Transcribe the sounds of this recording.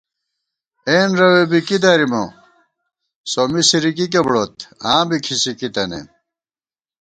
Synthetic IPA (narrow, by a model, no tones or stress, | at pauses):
enɾɐwebikid̪ɐɾimo̰ | somisiɾikik̬ebɽot̪ãːbikʰisikit̪ɐnḛ